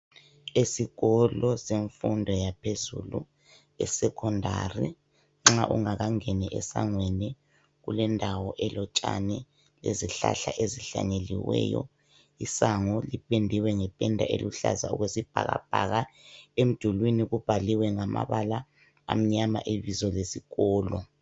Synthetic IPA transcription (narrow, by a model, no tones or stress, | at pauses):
esiɣɔlɔseɱfundʱɔjapʰezṵlṵ | ɛsɛkʰɔndʱari | ŋ͡ǁaʔṵŋaɣaŋɛnɛʔɛsaŋweni | ɣulɛndʱawɔʔɛlɔt͡ʃʼanɛ | lḛziɬa̰ɬaʔeziɬaɲeliwɛ̰ːjɔ̰ | isaŋɔlipʰʼendʱiwɛŋɛpʼɛndʱaʔelʔuɬa̰za̰uɣwesib̥ʱa̰ɣa̰b̥ʱaɣaem̩d̥ʱulwiniɣub̥ʱaliwɛŋama̰βala | a̰m̩ɲama̰ʔiβizɔlesiɣɔːlɔ